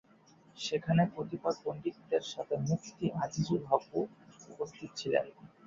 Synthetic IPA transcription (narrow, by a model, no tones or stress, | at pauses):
ʃekʰanepɾot̪ipad̪̚bonɖikd̪eɾʃat̪ʰemukʰt̪iʔad͡ʑid͡ʑibʱaboupost̪ʰit̪ot͡ɕʰilḛn